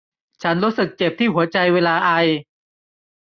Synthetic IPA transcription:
t͡ɕʰa˦˥nɾu˦˥sɯ˨˩k̚t͡ɕe˨˩p̚t̪ʰiː˥˩ɦu˩˦ɐt͡ɕa˧jweː˧laː˧ʔa˧j

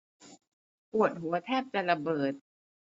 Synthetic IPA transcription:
pu˨˩ət̪̚ɦu˩˦ɐt̪ʰɛː˥˩p̚t͡ɕa˨˩la˧bɤː˨˩t̪̚

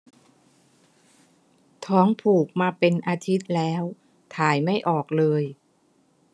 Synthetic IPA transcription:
t̪ʰɔː˦˥ŋpʰuː˨˩k̚maː˧pe˧nʔaː˧t̪ʰi˦˥t̪̚lɛː˦˥w | t̪ʰaː˨˩jma˥˩jʔɔː˨˩k̚lɤː˧j

